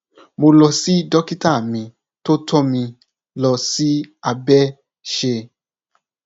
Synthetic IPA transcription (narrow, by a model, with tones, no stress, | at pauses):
mo˧lɔ˧si˦dɔ˦ki˦ta˦˨mĩ˧ | to˦tʰɔ˦mĩ˧ | lɔ˧si˦a˧bɛ˦ | ʃe˧